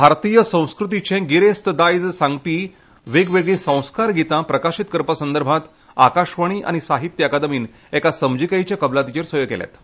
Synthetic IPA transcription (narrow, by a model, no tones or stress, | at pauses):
bʱaɾt̪ijəsə̃w̃skɾut̪̬it͡ɕẽɡiɾest̪əd̪ajd͡zsãŋɡpiː | ʋeɡʋeɡɭĩsə̃w̃skaɾɡʱit̪ãpɾəkaɕit̪̚kəɾpəsənd̪əɾbʱãt̪ | a̰kaɕʋəɽ̃iːʔa̰ñisaɦit̪jəakad̪əmiːn | ɛkasəmd͡ʑikajt͡ɕjakəblat̪it͡ɕeɾsəjokɛ̰lɛ̰t̪